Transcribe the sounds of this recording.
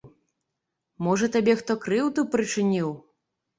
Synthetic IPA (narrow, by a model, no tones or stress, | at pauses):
mɔʐɐt̪abʲɛxt̪ɔkɾɨwt̪upɾɨt͡ʂɨnʲiw